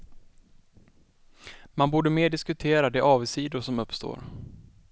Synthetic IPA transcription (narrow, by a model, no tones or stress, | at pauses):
manbuːɖəmeːɖɪskɵt̪ʰeːɾad̪ɛʔɑːvsiːd̪ʊsɔmɵpːst̪o̰ːɾ